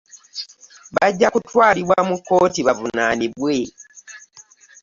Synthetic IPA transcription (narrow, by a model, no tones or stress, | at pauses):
βaɟːakutwaːliβwamukːo̞ːtiβavunaniβwe̞